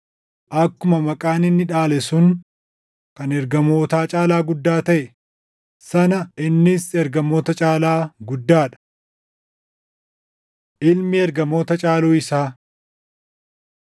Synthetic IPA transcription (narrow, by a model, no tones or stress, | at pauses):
ʔɐkːʊmɐmɐkʼaːnɪnːɪᶑaːlɛsʊn | kɐnɛɾɡɐmo̞ːt̪aːt͡ʃʼaːlaːɡʊd̪ːaːt̪ɐʔɛ | sɐnɐʔɪnːɪsɛɾɡɐmo̞ːt̪ɐt͡ʃʼaːlaːɡʊd̪ːaːᶑɐ̥ | ʔɪlmiɛɾɡɐmo̞ːt̪ɐt͡ʃʼaːluːɪsaː